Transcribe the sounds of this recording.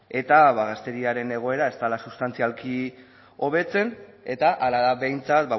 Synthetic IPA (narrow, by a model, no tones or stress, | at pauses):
e̞t̪aβaɣast̪e̞ɾiaɾe̞ne̞ɣ̞o̞e̞ɾae̞st̪alasust̪ant͡sialki | o̞β̞e̞t͡se̞ne̞t̪aʔalaðaβe̞jnt͡sat̪ba